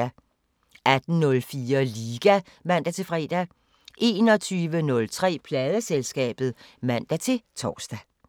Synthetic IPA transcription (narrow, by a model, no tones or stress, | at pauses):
æ | ʔæd̥n̩nɔ̽lfiːɐliːɡ̥æ | mæn̰d̥æt͡sʰe̝fʁɛ̰ːd̥æ | ʔe̝ːnɒ̽t͡sʰyːʋənɔ̽lt͡sʰʁɛ̰ːpʰlɛːð̞ˠəselsɡ̥ɛ̰ːb̥ð̩ˠmæn̰d̥æt͡sʰe̝lt͡sʰɒ̰ːsd̥æ